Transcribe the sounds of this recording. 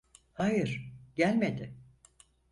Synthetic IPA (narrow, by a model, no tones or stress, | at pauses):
hajɯɾ̥ɟ̥ælʲme̞d̪ɪ